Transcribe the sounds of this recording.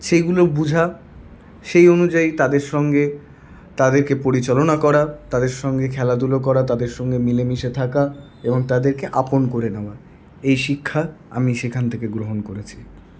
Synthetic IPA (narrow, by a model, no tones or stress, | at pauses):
ʃejɡulobud͡ʑʱa | ʃejonud͡ʑait̪ad̪eɾʃɔŋɡe | t̪ad̪eɾkepoɾit͡ɕalonakɔɾat̪ad̪eɾʃɔŋɡekʰɛlad̪ulok̬ɔɾat̪ad̪eɾʃɔŋɡemilemiʃet̪ʰaka | eboŋt̪ad̪eɾkeʔaponkoɾeneoa | ejʃikʰːaa̰miʃekʰant̪ʰekeɡɾoɦonkoɾet͡ɕʰi̥